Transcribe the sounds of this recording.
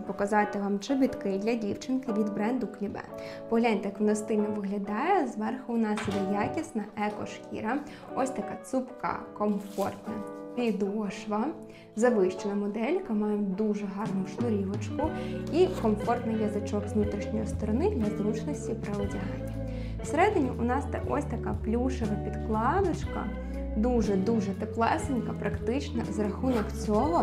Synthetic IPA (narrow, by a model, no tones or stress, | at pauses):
pɔkɐzɑt̪ɪʋɑmt͡ʃɪbʲit̪kɪjd̪lʲɐdʲiwt͡ʃɪnkɪʋʲid̪bɾɛnd̪ʊklʲibɛ̰pɔɦlʲanʲt̪ɛjɐkʋnɐst̪ɪnɐʋɪɦlʲɐd̪ɑjɛzʋɛrxʊnɑsjʲid̪ɛjakʲisnɐʔɛkɔ̰ʃkʲḭɾɐ | ɔsʲt̪ɐkɑt̪supkɑ̰kɔmfɔrt̪nɐpʲid̪ɔʃʋɐ | zɐʋɪʃt͡ʃenɐmɔd̪ɛlʲkɐmɑjɛd̪uʒɛɦɑrnʊʃnʊɾʲiʋɔt͡ʃkʊikɔmfɔrt̪nɪjɐzɐt͡ʃɔkʋnut̪ɾʲiʃnʲɔjist̪ɔɾɔnɪd̪lʲɐzɾut͡ʃnɔsʲtʲipɾɐɔdʲiɦɛt̪ʲi | wseɾɛd̪ɪnʲiʔʊnɑst̪ɛ̰ʔɔ̰sʲt̪ɐkaplʲuʃeʋɐpʲid̪klˠɑd̪ɔt͡ʃkɐ̰ | d̪uʒɛd̪uʒɛt̪eplˠɛsɪnkɐpɾɐkt̪ɪt͡ʃnɐzrɐxunɔkt͡sʲɔɦɔ